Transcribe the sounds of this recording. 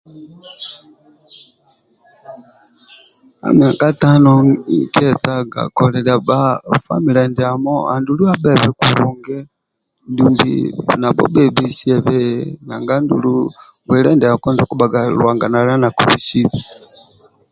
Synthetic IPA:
a̰˨mi˨a˨ka˦ta˦nɔ˦kɛ˦ta˦ɡa̰˨kɔ˨lɛ˨la˨ba˦fa̰˦mi˨lɛ˨ndɛ˨a˨mɔ˦a̰˨ndu˨lu˦a˦bɛ˦βɛ˦ku˨ɾu˨ŋɡɛ˦ | ndu˨mbḭ˨na˨bɔ̰˦bɛ˦bi˦si˦ɛ˨βɛ˦na˨ŋɡa˦ndu˨lu˦ | wɛ˨lɛ˦ndɛ˨a˨kɔ˦nzɔ˨ku˦ba˨ɡa˨lwa˨ŋɡa˨na˨la˦na˨ku˨βi˨si˦vi

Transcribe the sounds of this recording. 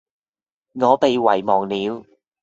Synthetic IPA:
ŋɔː˨˧pe˨˧jwɐ˨˩jmɔː˨˩ŋniː˨˧w

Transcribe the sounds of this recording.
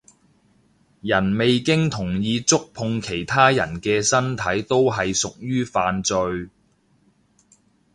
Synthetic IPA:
jɐ˨˩nme˨jkɪ˥ŋt̪ʰʊ˨˩ŋjiː˧t͡sʊ˥k̚pʰʊ˧ŋkʰe˨˩jt̪ʰaː˥jɐ̰˨˩nkɛː˧sɐ˥nt̪ʰɐ˨˥jt̪o˥wɦɐ˨jsʊ˨k̚jyː˥faː˨nt͡sɵ˧ɥ

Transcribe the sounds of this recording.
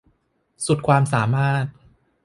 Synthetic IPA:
su˨˩t̪̚kʰwaː˧msaː˩˦maː˥˩t̪̚

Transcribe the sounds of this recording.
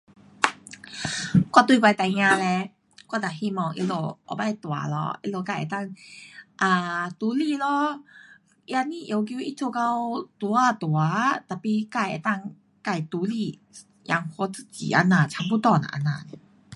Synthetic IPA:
kwa˧˩t̪ui˧kwa˧jt̪a˨˩jɲãː˧lɛ˧ | kwa˧˩t̪a˨˩ɦi˧˨mɔ˧˩ŋʔḭ˧lo˧˩ʔɔ̰˧ba˧˩˧t̪wa˨˦lɔ̰˧ʔḭ˧lo˧˩ka˧˩jʔɛ̰˨˩t̪a˥˧˨ŋʔaː˧˩t̪uː˨˦li˧˨lɔ˧˦ | ʔi˧a˧ni˧˨ʔi˨ə˦wkji˧˦ʔi˧t͡sʰo˧˨ka˧wt̪u˧˦a˧˩t̪u˨a˦t̪a˨˧˩pi˧˨ka˧˩jʔa̰˨t̪a˧ŋ | ka˧˩jt̪uː˨˦li˧˩ | ja̰˧˩ŋkʰo˧˦t͡sɨ̥˧t͡ɕḭː˨˦ʔa̰˧naː˧˩t͡ɕʰa˧˦ŋpu˧˨t̪ɔ˧˩na̰˨˧˨ʔa̰˧naː˧˩˨nɛ˧

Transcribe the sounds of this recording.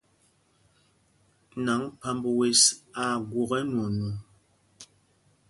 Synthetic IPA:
na˨˦ŋpa˨mbə˨we˨sa˨ɡwo˨ɣɛ˦nwo˨no˨

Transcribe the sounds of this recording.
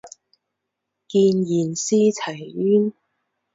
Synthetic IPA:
kiː˧njiː˨˩nsiː˥t͡sʰɐ˨˩jyː˥n

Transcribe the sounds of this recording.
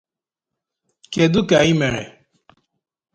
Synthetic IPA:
ke˨d̪u˦ka˨i˦mɛ˨ɾɛ̰˨

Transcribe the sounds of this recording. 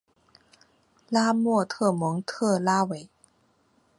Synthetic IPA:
laː˥mu˥˩ət̪ʰɤː˥˩mɔ˨˦ŋt̪ʰɤ˥˩laː˦˥˩we˨˦j

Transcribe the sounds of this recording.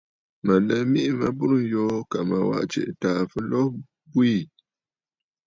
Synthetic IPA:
ma˨na˦mi˦ʔi˦ma˦bʊ˦ɾɨ˦n̩˨jɔː˦ka˨ma˨wa̰˨ʔt͡ʃɛ̰˨ʔtaː˨fɨ˦lɔ˦h | bu˦i˦˨

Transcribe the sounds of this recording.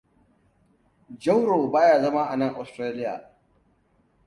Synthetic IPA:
d͡ʒɐ˦wɽoː˨baː˦jaː˦˨zɐ˦ma˦ʔa˨nɐ˦ŋʔa˨stɾaː˦lɪ˦ja̰ː˨

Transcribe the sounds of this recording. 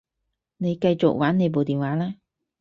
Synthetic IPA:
ne˨˧jkɐ˧jt͡sʊ̰˨k̚waː˨˥ne˨˧jp̬o˨wt̪iː˨˩nwaː˨˥laː˥

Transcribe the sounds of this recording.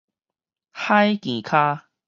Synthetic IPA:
ha˦jkĩ˨˩kʰa˦

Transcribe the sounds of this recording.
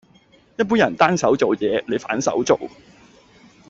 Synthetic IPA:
jɐ˥t̚p̬uː˥njɐ˨˩nt̪aː˥nsɐ˨˥wt͡so˨wjɛː˨˧le˨˧jfaː˨˥nsɐ̰˨˥wt͡so˨w

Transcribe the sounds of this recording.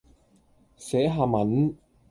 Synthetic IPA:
sɛː˨˥ɦaː˧mɐ˨˥n

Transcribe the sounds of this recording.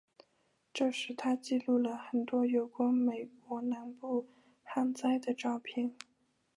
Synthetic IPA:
ʈ͡ʂɤ˥˧ʂɻ̩˥˩t̪ʰa˥t͡ɕi˥˧lu˥˩lə˩xə˨˩nt̪wɔ˥jo˧˩ʊkwa˥nme˨˩ɪkwɔ˧˥na˧˥npu˥˩ | xa˥nt͡sa˥ɪd̪ə˨ʈ͡ʂɑ˥˧ʊpʰjɛ˥˩n

